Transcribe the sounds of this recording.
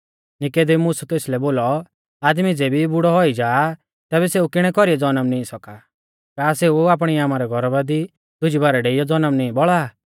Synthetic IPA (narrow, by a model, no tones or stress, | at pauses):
nɪkeːd̪emʊːsut̪eːslɛboːlɔ | aːd̪mid͡zeːbibʊɽɔɦɔid͡ʒaː | t̪ɛːβɛseukɪɽ̃ɛkɔɾiɛd͡zɔnəmnĩːsɔka | kaːseuaːp̬ɽ̃iaːmaɾɛɡʱɔɾɔbad̪i | d̪̥ʊd͡ʒibaːɾɛɖeːɪjɔd͡zɔnəmnĩːbɔɭa